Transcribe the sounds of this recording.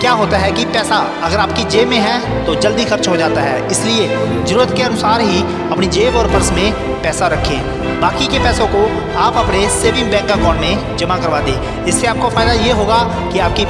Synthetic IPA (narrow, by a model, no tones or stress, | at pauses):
kjaːɦoːt̪aɦɛkipɛːsa | ɐɡəɾaːp̚kid͡ʒeːmẽɦɛ̃ | t̪od͡ʒəld̪ixɐɾt͡ʃɦod͡ʒaːt̪aɦɛ̰ːɪslie | zəɾuːɾət̪keɐnʊsaːɾɦi | ɐpnid͡ʒeːʋɔːɾpəɾsmẽ | pɛːsaɾɐkʰːẽː | baːkikepɛːsõko | aːpɐpneseːʋɪ̃ŋɡ̚bɛ̃ːŋkːakɔːɳnẽ | d͡ʒɐmakɐɾʋaːd̪ẽː | ɪsːeaːp̚kafaːɪd̪ajeɦoːɡa | kiaːp̚ki